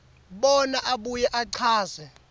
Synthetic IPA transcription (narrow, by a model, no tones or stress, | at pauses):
ɓɔnaʔaɓujɛʔaǀʰaːz̥ɛ